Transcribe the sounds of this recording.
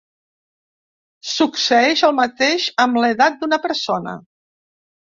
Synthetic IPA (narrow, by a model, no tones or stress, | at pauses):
suksəɛʃəlˠmət̪eʃəmleðat̪̚d̪unəpəɾsonə̰